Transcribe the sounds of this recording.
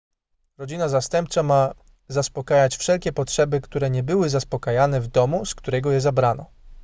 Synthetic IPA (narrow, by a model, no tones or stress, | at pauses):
ɾɔd͡ʑinazast̪ɛmp̚t͡ʂama | zaspɔkajat͡ɕfʂɛlkʲɛpɔtʂɛbɘkt̪uɾɛɲɛbɘwɘzaspɔkajanɛvd̪ɔmuskt̪uɾɛɡɔjɛzabɾanɔ